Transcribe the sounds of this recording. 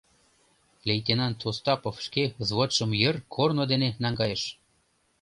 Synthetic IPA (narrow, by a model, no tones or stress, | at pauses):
lʲejt̪enɑnt̪ʰost̪ɑpofʃkezβot̪ʃə̆mjə̆rkʰornod̪enenɑŋɡɑjeʃ